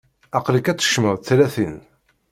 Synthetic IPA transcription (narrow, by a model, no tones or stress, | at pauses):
æqləkæt͡sːə̥ʃməʁθlæθin